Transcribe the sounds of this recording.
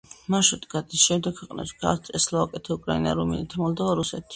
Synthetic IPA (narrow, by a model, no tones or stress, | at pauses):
maʃut̪ʼɡad̪isʃɛmd̪ɛkʰwɛqʼnɛ̰pʃɡa̰st̪ʼɛslaakʼɛt̪ʰɛukʼɾaina̰ɾumḭnit̪ʰmɔlˠd̪ɔvaɾusɛt̪ʰi̥